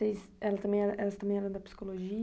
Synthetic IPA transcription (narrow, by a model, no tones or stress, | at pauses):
ejsɛlɐt̪ɐmẽj̃ɛʔɛlɐst̪ɐ̃mẽj̃ɛlɐ̃d̪ɐpi̥si̥koloʒi